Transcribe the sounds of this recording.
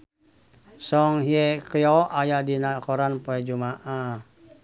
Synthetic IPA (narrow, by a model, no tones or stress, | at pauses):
sɔŋɦiekjɔʔajadinakɔɾanpoɛd͡ʒumaʔa